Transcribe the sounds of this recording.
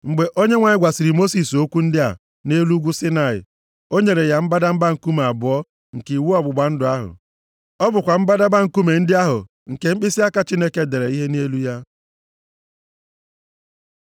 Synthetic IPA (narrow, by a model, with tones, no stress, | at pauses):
ŋ͡m̩˨ɡ͡be˨ʔo˦ɲe˦ŋʷa˨ɲɪ˦ɡʷa˨sɪ˨ɾi˨mo˦si˨so˦kʷu˦n̩˦dɪ˦a̰˨ | ne˦lu˦ɡʷu˦sɪ˦na˨ɪ̰˨ | o˦ɲe˨ɾe˨ja˨m̩˦ba˦da˦m̩˦ba˦ŋ̩˨ku˦me˨a˨bʊ˨˦ɔ˦ | ŋ̩˨ke˨i˨wu˦ɔ˦˨bʊ˨ɡ͡ba˨n̩˦dʊ˨a˦ɦʊ̰˨ | ɔ˦bʊ˨kʷa˨m̩˦ba˦da˦ba˦ŋ̩˨˦ku˦me˨n̩˦dɪ˦a˦ɦʊ̰˨ | ŋ̩˨ke˨ŋ͡m̩˦k͡pi˦si˦a˦ka˦t͡ʃi˦ne˦ke˦de˨ɾe˨i˦ɦe˦ne˦lu˦ja˦